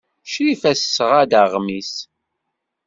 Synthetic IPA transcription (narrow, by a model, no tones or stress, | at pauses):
ʃɾifæsːəʁæd̪əʁmis